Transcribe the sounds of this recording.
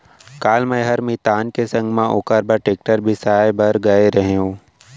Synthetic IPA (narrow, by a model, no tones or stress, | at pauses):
kaːlmɛ̃ɦɐɾmit̪aːnkesɐ̃ŋɡmãʔʊkəɾbəʈeːk̚ʈəɾbʱisaːebɐɾɡɐeɾɐɦẽɦũː